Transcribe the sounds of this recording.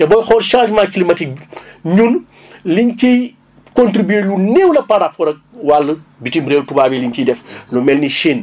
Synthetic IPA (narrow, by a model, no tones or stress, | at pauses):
tɛbɔjxɔlʃãːʒmaːkilimɐtik̚ɲun | liɲci | kontɾibelunewlɐpaɾapɔɾɐk̚walːəbitimbɾeːltubaːbiliɲkidɛflɔmɛlniʃen